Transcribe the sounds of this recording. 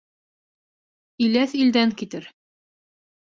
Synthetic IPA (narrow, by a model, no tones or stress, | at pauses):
ilæθild̪æŋkit̪ɘɾ